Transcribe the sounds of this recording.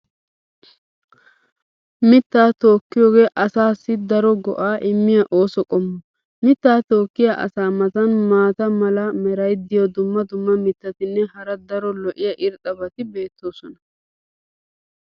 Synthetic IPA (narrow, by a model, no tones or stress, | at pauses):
mɪt̪ːaːt̪o̞ːkːɪjoːɡe̞ːʔɐsaːsːɪd̪ɐɾɔɡɔ̰ʔaːʔɪmːɪjɐʔo̞ːsɔkʼɔmːɔ | mɪt̪ːaːt̪o̞ːkːɪjaʔɐ̰saːmɐt̪ɐnmaːt̪ɐmɐlɐmɛɾɐjd̪ɪjɔd̪ʊmːɐd̪ʊmːɐmɪt̪ːɐt̪ɪnːɛhɐɾɐd̪ɐɾɔlɔʔɪjɐʔɪɾt̪ʼɐbɐt̪ɪbe̞ːt̪ːo̞ːsɔnɐ